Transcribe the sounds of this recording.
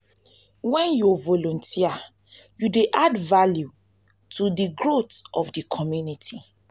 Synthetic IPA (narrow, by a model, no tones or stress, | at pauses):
wɛ̃njuvɔlɔ̃ntʰia | judeʔadvalju | tʰudiɡɹotɔfdikʰɔmjunitʰi